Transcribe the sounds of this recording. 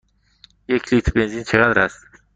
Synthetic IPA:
jekʲʰlit̪ʰbenzint͡ʃʰeɣalɾas

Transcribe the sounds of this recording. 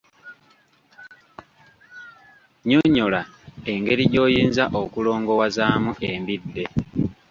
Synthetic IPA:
ɲoɲːo̞lae̞ŋɡe̞ɾiɟo̞ːjiːnzaʔokulo̞ːŋɡo̞wazaːmuʔembidːe̞

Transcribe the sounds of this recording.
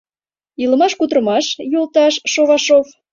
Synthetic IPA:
iləmɑʃkud̪ɾəmɑʃjolˠt̪ɑʃːoβɑʃof

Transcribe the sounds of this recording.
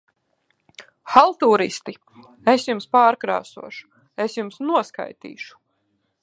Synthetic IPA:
xalˠt̪uːɾḭst̪i | esjumspaːɾkɾa̰ːsṵɔʃu̥ | esjumsnuɔska̰jt̪ḭːʃu̥

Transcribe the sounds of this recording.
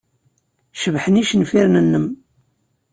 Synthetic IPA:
ʃəvħəniʃnfiɾnənːəm

